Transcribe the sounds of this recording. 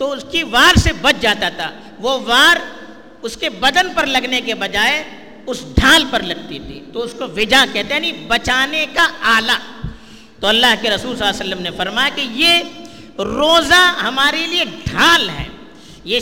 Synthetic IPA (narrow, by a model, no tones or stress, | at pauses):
t̪oʊskiʋaːɾsebɐt͡ʃʰd͡ʒaːt̪at̪ʰa̰ | ʋoʋaːɾ | ʊskebɐd̪ənpɐɾlɐɡnekebɐd͡ʒaːe | ʊsɖʱaːlpɐɾlɐɡ̚t̪it̪ʰḭːt̪oʊskoʋɪd͡ʒakɛɦt̪eɦɛnĩbɐt͡ʃaːnekaaːlaː | t̪oɐlːaːɦkeɾɐsuːlsɐlːasəlːəmnefɐɾmaːjakije | ɾoːzaɦɐmaːɾelieɖʱaːlɦɛ̰ː | je